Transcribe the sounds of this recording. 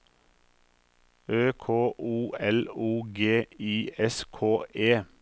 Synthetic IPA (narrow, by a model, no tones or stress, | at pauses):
øːkʰoːʔuːɛluːɡeːiːɛskʰoːʔeː